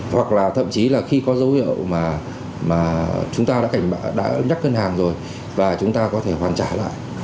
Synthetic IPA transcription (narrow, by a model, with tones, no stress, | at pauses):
hwa˨˩k̚laː˨˩t̪ʰə̰˧˨mt͡ɕi˨˦laː˨˩xi˧kɔ˨˦zə˨˦whḭ˧˨əwmaː˨˩ | maː˨˩t͡ɕʊ˨˦ŋ͡mt̪aː˧ɗa̰ː˧˥ka˧˩ŋ̟ɓaː˧˨ɗa̰ː˧˥ɲa˦˥k̚kə˧nhaː˨˩ŋzo˨˩j | vaː˨˩t͡ɕʊ˨˦ŋ͡mt̪aː˧kɔ˨˦t̪ʰe˧˩hwaː˨˩nt͡ɕaː˧˩la̰ː˧˨jʔ